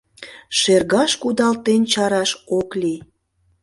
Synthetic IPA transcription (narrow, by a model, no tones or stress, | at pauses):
ʃerɣɑʃkud̪ɑlt̪ent͡ɕɑɾɑʃokli